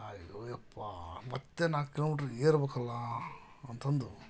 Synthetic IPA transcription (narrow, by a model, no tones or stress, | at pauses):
ajoɛpːaːmɐt̪ːenaːkɪloːmiʈɐɾeːɾbɐkːɐlːãː | ɐnt̪ɐnd̪ɯ